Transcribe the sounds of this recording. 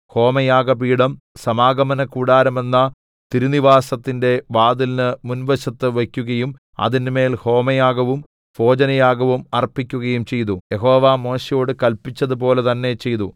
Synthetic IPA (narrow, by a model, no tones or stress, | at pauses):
ho̞ːmɐjaːɡɐpiːɽɐm | sɐmaːɡɐmɐnɐkuːɽaːɾɐme̞nːɐ | t̪iɾuniʋaːsɐt̪ːinde̞ʋaːðilnɨmunʋɐɕɐt̪ːɨʋɐkʲːuɣɐjum | ɐ̰ðinme̞ːlho̞ːmɐjaːɡɐʋum | fo̞ːd͡ʑɐnɐjaːɡɐʋumɐrpːikʲːuɣɐjumt͡ɕe̞jt̪ujeɦo̞ːʋaːmo̞ːɕɐjo̞ːɽɨkɐlpit͡ɕːɐðup̬o̞ːle̞t̪ɐnːe̞t͡ɕe̞jt̪u